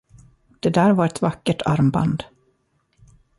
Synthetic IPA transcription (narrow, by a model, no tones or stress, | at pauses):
d̪̥ɛd̪æːɾvaɾɛt̪vakːəʈʰa̰ɾmba̰nd̪